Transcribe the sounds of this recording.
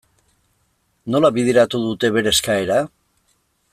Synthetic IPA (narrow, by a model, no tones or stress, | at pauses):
no̞laβiðeɾat̪uðut̪e̞βe̞ɾe̞skaeɾa